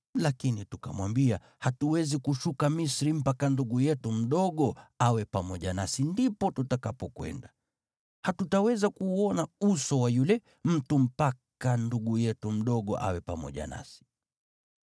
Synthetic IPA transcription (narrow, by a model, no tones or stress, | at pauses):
lakinituka̰mwambia | hatuwɛzikuʃukamisɾim̩pakanduɠujɛtum̩ɗɔɠɔawɛpamɔʄanasindipɔtutakapɔkwɛ̰nda | hatutawɛzakuɔnausɔwajulɛ | m̩tum̩pakkanduɠujɛtum̩ɗɔɠɔ̰ʔa̰wɛpamɔ̰ʄa̰na̰si̥